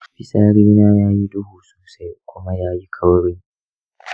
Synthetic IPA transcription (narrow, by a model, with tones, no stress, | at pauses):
ɸɪ˦saː˦ɽiː˦naː˦jaː˦ji˦dʊ˦huː˨su̥ː˨sa˦jkʷʊ˦ma˦jaː˦ji˦kʰɐ˦wɽɪ˦ŋ